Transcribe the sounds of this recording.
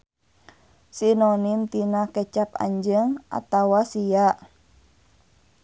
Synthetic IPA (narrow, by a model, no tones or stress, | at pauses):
sinɔnimt̪inakɛt͡ʃap̚a̰ɲd͡ʒəŋʔa̰t̪awasijaʔ